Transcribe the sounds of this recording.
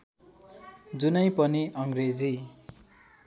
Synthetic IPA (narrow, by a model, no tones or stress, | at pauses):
d͡zunʌj̃pʌniʔʌŋɡred͡zi